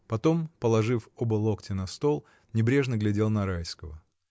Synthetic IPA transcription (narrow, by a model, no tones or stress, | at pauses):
pɐt̪o̞mpəlˠɐʐɨfobəlˠo̞ktʲɪnɐst̪o̞lˠ | nʲɪbɾʲe̞ʐnəɡlʲɪdʲe̞lˠnɐɾajskəvə